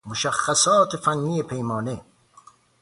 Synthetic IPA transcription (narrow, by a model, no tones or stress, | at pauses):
moʃæxːæsɔːt̪ʰefænːiːepʰejmɒːne